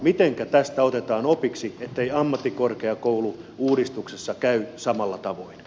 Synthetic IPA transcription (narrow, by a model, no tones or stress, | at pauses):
mit̪eŋkæt̪æst̪æot̪et̪ɑːnopiksiet̪ːeiɑmːɑt̪ːikorkeɑkouluuːɾist̪uksesːɑkæysɑmɑlːɑt̪ɑʋoin